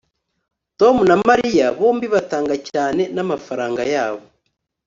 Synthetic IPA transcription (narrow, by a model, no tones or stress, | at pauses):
to̞munamaɾijaβo̞ːmbiβataːŋɡacaːne̞namafaɾaːŋɡajaːβo